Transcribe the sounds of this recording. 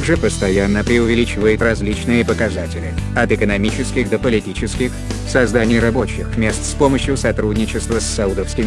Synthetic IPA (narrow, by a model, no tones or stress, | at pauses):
ɡʐɨpəst̪ɐjanːəpɾʲɪʊvʲɪlʲit͡ɕɪvəjɪt̪rɐzʲlʲit͡ɕnɨjəpəkɐzatʲɪlʲɪɐt̪ɨkənɐmʲit͡ɕɪskʲɪxd̪əpəlʲɪtʲit͡ɕɪskʲɪxsɐzd̪anʲɪjrɐbo̞t͡ɕɪxmʲe̞st̪spo̞məɕjʊsɐt̪ɾudʲnʲɪt͡ɕɪst̪vəsːɐud̪əfskʲɪm